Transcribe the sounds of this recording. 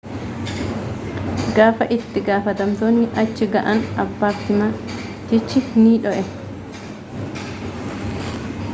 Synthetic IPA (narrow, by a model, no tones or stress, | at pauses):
ɡaːfɐʔɪt̪ːɪɡaːfɐt̪ɐmt̪oːnɪʔɐt͡ʃːɪɡɐʔɐnɐbːaːfɪmɐt̪ɪt͡ʃːɪniːᶑɔʔɛ